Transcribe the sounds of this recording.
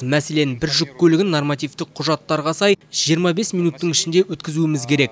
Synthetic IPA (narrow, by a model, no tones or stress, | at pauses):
mæse̞le̞nbɪɾʒʏkːʰʲɵlɪɡʲɪnːormɑt̪ijft̪ɪqqʰʊʒɑt̪ːɑɾʁɑsɑjʒijəɾmɑbe̞smijnut̪ːəɴɪʃɪnd̪e̞wɵt̪kʲɪzuɪmɪzkʲʰe̞ɾe̞k